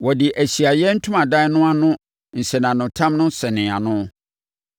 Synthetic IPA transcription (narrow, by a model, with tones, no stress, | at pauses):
wɔ˨dɪ˨ʔæ˨ɕi˨a˨jɛ˦n̩˦tʰʊ̃˦mã˨dã˦nʊ̃˦a˦nʊ̃˦ | n̩˨sɛ˨nã˨nʊ̃˨tʰã˦mnʊ̃˦sɛ˨nɪ̃˨a̰˨nʊ̃˦